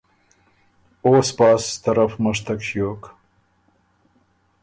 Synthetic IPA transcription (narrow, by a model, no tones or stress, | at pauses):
oːspɑːst̪ɐɾafməʂt̪akʃjoːk